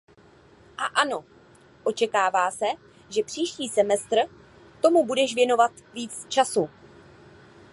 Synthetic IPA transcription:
ʔaʔano̞ | ʔo̞t͡ʃɛkaːvaːsɛ | ʒɛpr̥iːʃciːsɛmɛst̪r̩ | t̪o̞mubudɛʃvjɛno̞vat̪viːt͡st͡ʃasu

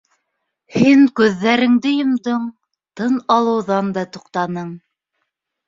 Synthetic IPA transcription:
hiŋkʉðːæɾɘ̆ŋd̪ɘjŏmd̪ɤɴ | t̪ɤnɑlˠɤ̆wðɑnd̪ɑt̪ŏqt̪ɑnɤɴ

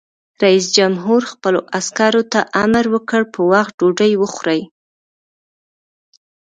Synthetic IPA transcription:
ɾais̬d͡ʒamɦuɾxpəloʔaskɑɾot̪aʔamɾwəkəɽpəwax̚ɖoɖəjwəxɾəj

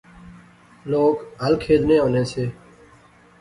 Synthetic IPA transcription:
loːkɦəlkʰeːd͡ʒnẽːõːnẽːseː

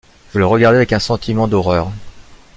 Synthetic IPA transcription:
ʒ̥ələʁəɡaʁd̪eavɛkɛ̃sɑ̃t̪ʰimɑ̃d̪ɔʁœːʁ

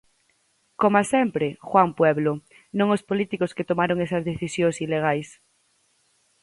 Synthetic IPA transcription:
komasempɾexwampweβlo | nõŋospolit̪ikosket̪omaɾoŋesazðeθisjoŋsileɣ̞ajs

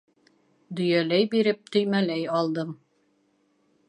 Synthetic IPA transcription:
d̪ɵ̆jælæjbiɾɘp̚t̪ɵ̆jmælæjɒlˠd̪ɤm

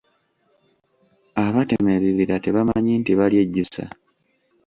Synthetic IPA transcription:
aβate̞meβiβiɾate̞βamaɲintiβalje̞ɟːusa̰

